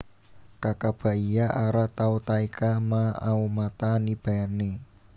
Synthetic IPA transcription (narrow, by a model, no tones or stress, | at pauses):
kakab̥a̤ijaʔaɾat̪aut̪aikamaa̰umat̪anib̥aane